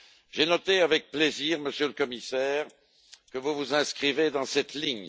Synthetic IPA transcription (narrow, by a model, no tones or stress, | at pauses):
ʒenɔt̪eavɛk̚pleziːʁməsjøləkɔmisɛːʁ | kəvuvuzɛ̃skχived̪ɑ̃sɛt̪liɲ